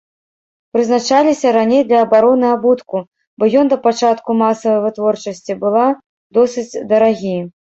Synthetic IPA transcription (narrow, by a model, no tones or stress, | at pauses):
pɾɨznat͡ʂalʲisʲɐɾanʲejd̪lʲɐːbaɾɔnɨabut̪ku | bɔjɔnd̪ɐpat͡ʂat̪kumasɐvɐjvɨt̪vɔrt͡ʂɐsʲt͡sʲibɨlˠa | d̪ɔsɨt͡sʲd̪ɐɾaɣʲij